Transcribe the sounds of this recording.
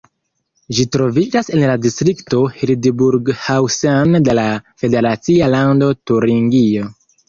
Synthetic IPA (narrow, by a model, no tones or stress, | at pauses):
d͡ʒitɾo̞vid͡ʒase̞nladistɾikto̞hildbuɾɡhawsande̞lafe̞de̞ɾat͡sialando̞tuɾiŋɡio̞